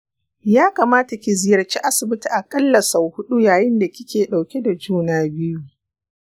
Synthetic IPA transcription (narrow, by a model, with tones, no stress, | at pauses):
jaː˦kaː˨maː˦ta˨kʲi˨zɪ˦jɐ˨rt͡ʃi˦ʔa˦sɪ˨bɪ˦ti˨ʔa˨kʼɐ˦lːɐ˨sa˨whʊ˦ɗu˦jaː˨jɪ˦nda˨kʲɪ˦kʲeː˨ɗa˨wkʲe˦da˨d͡ʒuː˦naː˦bɪ˦ju˦